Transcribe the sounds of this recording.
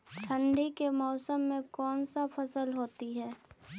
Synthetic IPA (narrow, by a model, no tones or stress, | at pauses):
ʈʰə̃ɳɖikemɔːsəmːẽkɔːnsapʰɐsəlɦoːt̪iɦɛː